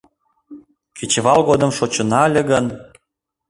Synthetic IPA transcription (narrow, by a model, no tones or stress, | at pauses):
kʰit͡ɕβɑlɣod̪ə̆mʃot͡ɕə̆nɑlʲĕɣən